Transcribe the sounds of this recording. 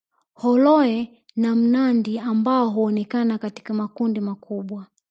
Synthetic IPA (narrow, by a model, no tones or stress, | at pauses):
hɔlɔɛ | nam̩nandiambaɔɦuɔnɛkanakati̥kamakundimakuɓwa